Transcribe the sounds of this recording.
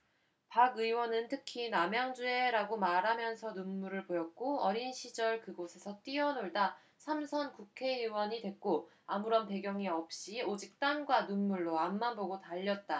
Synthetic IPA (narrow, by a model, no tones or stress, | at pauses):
paɡɯiwʌnɯntʰɯkʰinamjaŋd͡ʑue̞ɾaɡomaɾɦamjʌnsʰʌnunmuɾɯɭpojʌk̚k͈oʌɾinɕʰid͡ʑʌɭkɯɡosʰe̞sʰʌt͈iʌnoɭda | sʰamsʰʌnkukʰe̞ɯwʌɲidwe̞k̚k͈o | amuɾʌnpe̞ɡjʌŋiʌp̚ɕ͈iod͡ʑik̚t͈aŋɡwanunmuɭːoamːanboɡotaʎːʌt̚t͈a